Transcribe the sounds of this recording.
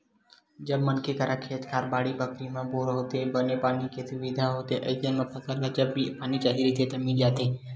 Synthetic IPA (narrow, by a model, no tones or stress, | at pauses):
d͡ʒəbmənkʰeːkaɾʔakʰeːt̪kʰaːɾbaːɽiːbəkɾiːmãːpoːɾɦoːt̪ebənepaːniket̪ʰiʋid̪ʱaɦoːt̪eːʔəɪt̪ənmãːpʰəkəɾlaːd͡ʒəbːipaːnit͡ʃaːɦiːɾit̪ʰeːt̪əmĩːd͡ʒaːt̪eː